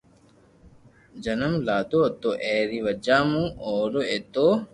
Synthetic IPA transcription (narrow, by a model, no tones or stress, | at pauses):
d͡ʑɐnɐmlaːt̪oɐt̪ːoʔeːɾiʋɐd͡ʒaːmũoːɾoet̪oː